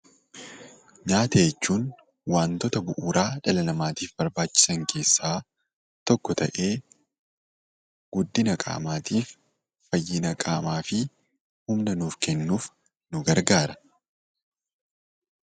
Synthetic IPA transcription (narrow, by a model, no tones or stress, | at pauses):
ɲaːt̪ɐjɛt͡ʃːuːn | waːnt̪ɔt̪ɐbʊʔuːɾaːᶑɐlɐnɐmaːt̪iːfbɐɾbaːt͡ʃːɪ̥sɐŋkʰe̞ːsːaː | t̪ɔkːɔt̪ɐ̰ʔe̞ː | ɡ̥ʊd̪ːɪnɐkʼa̰ːmaːt̪iːfː | ɐjːɪnɐkʼaːmaːfɪ | hʊmnɐnuːfkɛnːuːf | nʊɡɐɾɡaːɾɐ